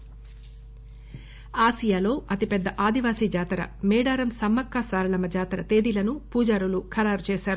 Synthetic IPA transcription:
aːsijaːlo̞ːɐt̪ipɛd̪ːɐʔaːd̪iʋaːsiːd͡ʒaːt̪ɾɐ̰mɛːɽaːɾɐmsɐmːɐkːaːsaːɾɐlɐmɐd͡ʒaːt̪ɾɐt̪e̞ːd̪ilɐnupuːd͡ʒaːɾulukʰɐɾaːɾut͡ʃeːʃaːɾu

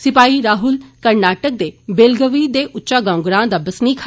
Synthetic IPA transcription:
sɪpaːiɾaːɦʊlkɐɾnaːʈək̚d̪ebeːlɡəʋid̪eʔʊtːʃaɡãːʊ̃ɡɾãːd̪aːbɐsnikʰː

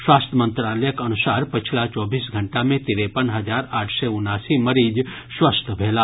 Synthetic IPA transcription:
swaːst̪ʰəmə̃nt̪ɾaːləjəkɐnusaːɾpət͡ʃʰilat͡ʃɔːbiːsɡʱəɳʈamẽt̪iɾepənɦəd͡ʒaːɾaːʈʰseʊnːaːsiməɾiːd͡ʒ | swəst̪ʰəbʱeːla

